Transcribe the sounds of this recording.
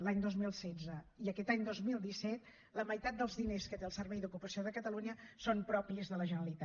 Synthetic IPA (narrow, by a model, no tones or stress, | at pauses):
laɲd̪ozmilˠsɛd͡zəiəkɛt̪aɲd̪ozmilˠd̪isɛt̪ | ləməjt̪at̪̚d̪əlˠzðineskət̪eəlˠsəɾβɛjd̪ukupəsioðəkət̪əluɲəsompɾɔpiəzðələʒənəɾəlit̪a